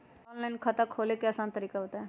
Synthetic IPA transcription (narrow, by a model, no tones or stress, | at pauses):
ɔnlaɪnkʰɐt̪akʰoːlekeəsaːnt̪əɾiːkaɦoːt̪aɦɛ